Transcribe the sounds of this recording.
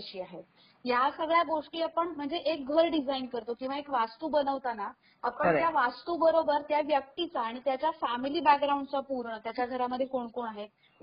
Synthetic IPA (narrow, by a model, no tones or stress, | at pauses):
ɕiːaɦet̪ | jasəɡɭjaɡoʂʈiːapəɳm̤əɳd͡zeʔek̚ɡʱəɾɖid͡zainkəɾt̪okĩw̃ʋaekʋast̪uːbənəʋt̪ana | apəɳt̪jaʋast̪ubəɾobəɾt̪jaʋjək̚t̪it͡saːɽ̃it̪jat͡ɕjafæmiliːbak̚ɡɾaũɳɖt͡sapuɾɳət̪jat͡ɕjaɡʱəɾaməd̪ʱːjekoɳkoɳaɦe